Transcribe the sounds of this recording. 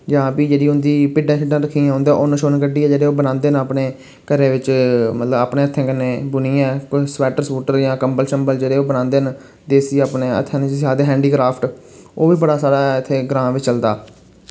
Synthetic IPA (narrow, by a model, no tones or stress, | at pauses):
d͡ʒãːpiːd͡ʒeːɽiːʊ̃nd̪iːpɪɖãːt͡ʃɪɖãːɾəkʰːiːãɦʊ̃nd̪ẽːʔoːnə̃ːʃoːnkəɖiːɛːd͡ʒeːɽeːoːbənãːnd̪eːnaːpneː | kəɾeːʋɪt͡ʃmət̪ləbaːpneːət̪ʰːẽːkəneːbʊniːɛ̃ːkʊsʋɛːʈəɾsuːʈəɾjãːkəmbəlʃəmbəld͡ʒeːɽeːoːbənãːnd̪eːn | d̪eːsiːaːpneːə̰t̪ʰːẽːnsaːd̪eːɦɛ̃ːɳɖiːkɾaːpʰʈoːʋiːbəɽaːsaːɾaːɪt̪ʰːeːɡɾãːʋɪt͡ʃt͡ʃəld̪aː